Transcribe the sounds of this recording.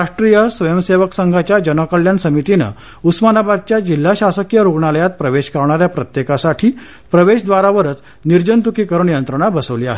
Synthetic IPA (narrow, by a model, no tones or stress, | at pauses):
aʂʈɾijəsʋəjəmseʋəksəŋɡʱat͡ɕjad͡ʑənəkəɭjansəmit̪inə̰ | usmanabad̪̚t͡ɕjad͡ʑil̤ːaɕasəkjəɾuɡɳaləjat̪̚pɾəʋeɕkəɾɳ̃aɾjapɾət̪jekasaʈʰiː | pɾəʋeɕd̪ʋaɾaʋəɾət͡s | niɾd͡ʑənt̪ukiːkəɾəɳjənt̪ɾəɳ̃abəsəʋliːa̰ɦe